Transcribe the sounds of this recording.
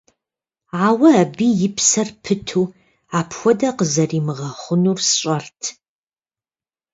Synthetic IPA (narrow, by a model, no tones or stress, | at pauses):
aːwɐːbiːjɪpʰsɐrpʰɨtʰuː | aːpʰxʷɔdɐqəzɐriːmɨʁɐχʷʊnuːrsɕʼɐrtʰ